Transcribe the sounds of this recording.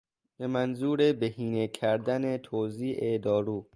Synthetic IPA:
be̞mænzuːɾebeɦiːnecʰæɾd̪ænet̪ʰoːziːʔed̪ɒːɾuː

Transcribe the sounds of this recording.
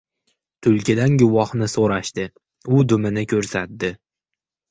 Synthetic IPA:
t̪ʰʊlˠkʲʰɪd̪anɡʊvɒhnɪsoɾaʃt̪ɪ | ʊd̪ʊmɪnɪkʲʰɵɾsat̪̚d̪ɪ

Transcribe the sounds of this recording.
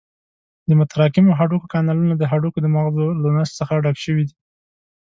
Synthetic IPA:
d̪əmʊt̪aɾɑkɪmoɦaɖukokɑnɑlunad̪əɦaɖukod̪əmaɣzolanast̪səxaɖɑkʃəwid̪i

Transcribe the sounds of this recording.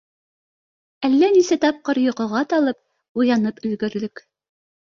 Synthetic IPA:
ælːænisæt̪ɑp̚qɤɾjŏqŏʁɑt̪ɑlˠɤp̚ | ujɑnɤpɵ̆lɡɵ̆ɾlɵk

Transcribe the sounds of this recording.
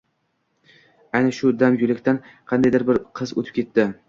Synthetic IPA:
ajnaʃʊd̪amjʊlɪkʲt̪anqʰɑnd̪ajd̪aɾbɪɾqʰɨzo̰t̪ʰɪ̥p̚kʲʰe̞t̪ːɪ

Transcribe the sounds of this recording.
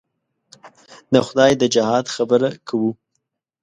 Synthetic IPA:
d̪əxʊd̪ɑjd̪əd͡ʒɪhɑd̪xabəɾakʰawu

